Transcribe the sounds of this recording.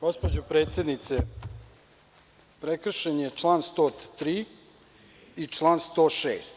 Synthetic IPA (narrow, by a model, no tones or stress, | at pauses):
ɡ̥o̞spod͡ʑopɾe̞ːt̪sje̞d̪nit̪se | pɾekr̩ʃenjet͡ʂlˠaːnst̪oːt̪t̪ɾiː | it͡ʂlˠaːnst̪oːʃḛːst̪